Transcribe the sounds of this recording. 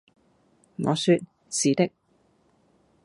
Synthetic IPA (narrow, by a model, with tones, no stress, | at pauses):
ŋɔ̰ː˨˧syː˧t̚ | siː˨˧t̪ɪ˥k̚